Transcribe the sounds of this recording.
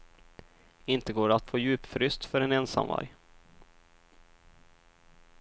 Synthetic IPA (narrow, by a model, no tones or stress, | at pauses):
ɪnt̪əɡoːɖat̪foːjʉ̟ːpfɾʏst̪fœɾɛnɛnsa̰mva̰ɾj